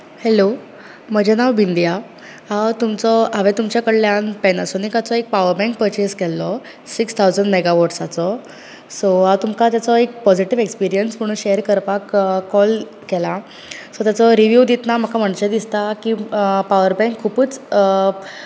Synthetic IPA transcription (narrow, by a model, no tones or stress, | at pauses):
hɛlo | məd͡ʑenaʋbind̪ija | ɦawt̪umt͡sɔaʋɛt̪umt͡ɕjakəɽljanpɛnasɔnikat͡sɔek̚paʋəɾbɛ̃ŋk̚pəɾt͡ɕiskɛlːɔ | sikst̪ʰawd͡zəɳɖmɛɡaʋɔʈsat͡sɔ | sɔɦawt̪umkat̪jat͡sɔek̚pɔd͡ziʈiʋekspiɾijənsməɽ̃ũːnɕeɾkəɾpakːɔl | kɛla | sɔt̪jat͡sɔɾiʋjud̪it̪nam̤əkʰam̤əɳɕed̪ist̪akiːpaʋəɾbɛ̃ŋkʰːupuːt͡s